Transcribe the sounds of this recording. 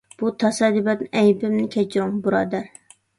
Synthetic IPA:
b̥ut̪ʰɑsɑd̪ibɛt̪nɪʔɛjbɪmnɪkʲʰɛt͡ʃʰɾʊŋbuɾɑːd̪æɾ

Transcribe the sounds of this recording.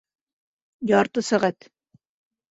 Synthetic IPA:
jɑɾt̪ɤsæʁæt̪

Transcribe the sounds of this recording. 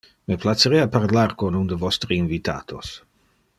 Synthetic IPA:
meplat͡seɾeaparlarkonund̪əvɔst̪ɾiinvit̪a̰ːt̪ʰos

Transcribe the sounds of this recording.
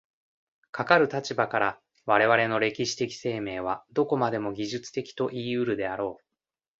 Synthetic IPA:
kʰakaɾɯ̟t̪at͡ɕibakaɾa | βaɾe̞βaɾe̞no̞ɾe̞kʲiɕi̥t̪e̞kʲi̥se̞ːme̞ːβ̞ad̪o̞ko̞mad̪e̞mo̞ɡʲiʑɨt͡sɨ̥t̪e̞kʲi̥t̪o̞ʔiːɯ̟ɾɯ̟d̪e̞aɾo̞ː

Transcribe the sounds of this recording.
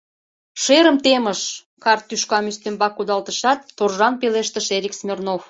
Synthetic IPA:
ʃeɾəmt̪eməʃ | kɑrt̪ːyʃkɑmyst̪embɑkud̪ɑlt̪əʃɑt̪ːorʒɑnpeleʃt̪əʃeɾʲiksmʲernof

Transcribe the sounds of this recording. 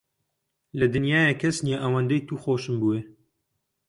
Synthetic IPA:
lɐd̪ɨnjaːjɛkʰɐsnjaʔɐwɐnd̪ɐjt̪uːxoːʃɨmbuweː

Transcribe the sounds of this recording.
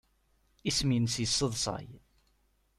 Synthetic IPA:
isminsjəsːəðˤsˤɑ̰j

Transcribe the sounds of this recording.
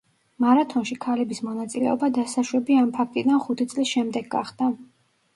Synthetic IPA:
maɾat̪ʰɔnʃikʰalɛbismɔnat̪sʼilɛ̰ɔbad̪asaʃwɛbiampʰak̚ʰt̪ʼid̪anχut̪ʰit̪sʼlisʃɛmd̪ɛɡɡa̰χd̪a

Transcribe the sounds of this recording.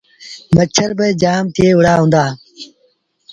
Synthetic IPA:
mət͡ɕʰəɾbəd͡ʑaːmt̪ʰieːʊɽaːɦũːnd̪aː

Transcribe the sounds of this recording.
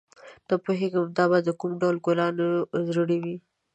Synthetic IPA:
t̪əpoɦeɡəmd̪ɑbɑd̪əkumɖawlɡolɑnozɾəɽewi

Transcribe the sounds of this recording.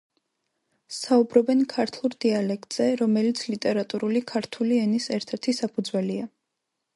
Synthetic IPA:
saubɾɔbɛnkʰaɾt̪ʰlˠuɾd̪ialɛkʰt̪ʼz̥ɛɾɔmɛlit̪sʰlit̪ʼɛɾat̪ʼuɾulikʰaɾt̪ʰuliɛnisɛɾt̪ʰɛɾt̪ʰisapʰud̪zwɛlia

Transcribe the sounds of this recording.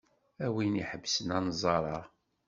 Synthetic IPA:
æwiniħəbːsənɑnzˤɑɾˤɑʁ

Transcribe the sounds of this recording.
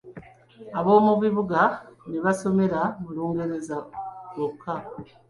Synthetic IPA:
aβo̞ːmuβiβuɡaneβaso̞me̞ɾamuluːŋɡe̞ɾe̞zalokʰːa

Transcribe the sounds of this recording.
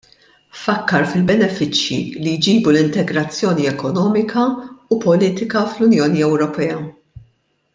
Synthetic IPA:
fɐkːɐɾfɪlbɛnɛfɪt͡ʃjḭlijd͡ʒiːbulɪnt̪ɛɡɾɐt͡sːjɔːniɛkɔnɔːmɪkʰɐupɔliːt̪ɪkɐflʊnjɔːniɛwɾɔpɛːɐ

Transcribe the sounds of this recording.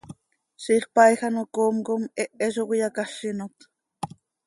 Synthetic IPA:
ʃiχpajxanokomkomeʔeʒowijakaʃinot̪

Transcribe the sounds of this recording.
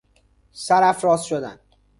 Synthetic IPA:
sæɾæfɾɒːsʃod̪æ̰nd̪̥

